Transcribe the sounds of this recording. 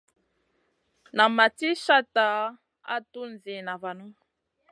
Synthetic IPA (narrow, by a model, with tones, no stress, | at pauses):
na˨ma˨ti˦ʃa˦ta˨ | a̰˦tu˦nzi˨na˨va˨nu˦